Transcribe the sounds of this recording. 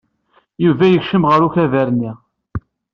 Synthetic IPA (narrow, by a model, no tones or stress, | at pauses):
juvæjəçʃəmʁəɾuçævæɾnːi